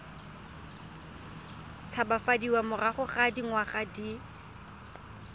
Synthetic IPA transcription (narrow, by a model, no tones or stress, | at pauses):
t͡sʰabafadiwamʊraχʊχadiŋwaχadi